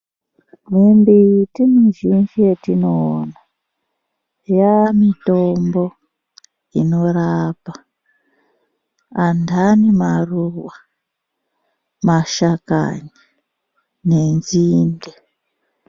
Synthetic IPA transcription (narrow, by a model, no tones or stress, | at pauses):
nembiitinuʒind͡ʒietinoːna | jamitombo̞ | ino̞rapa | andʱanimaruwa | maʃaka̰ni | nenziːnde